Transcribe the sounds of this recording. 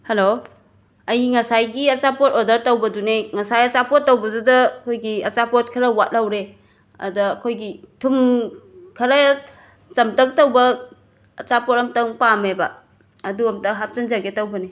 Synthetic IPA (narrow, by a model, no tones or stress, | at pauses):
helo | ɐjiŋɐsajɡiɐt͡ʃapotodɐɾtɐwbɐduneŋɐsajɐt͡ʃapot̚ːɐwbɐdudɐɐkʰojɡiɐt͡ʃapot̚kʰɐɾɐwat̚lawɾe | ɐ̰dɐːkʰojɡitʰum | kʰɐɾɐ | sɐmtɐk̚tɐwbɐː | t͡ʃapotɐmtɐŋpamebɐː | duɐmtɐɦap̚t͡ʃɐnzaɡetɐwbɐne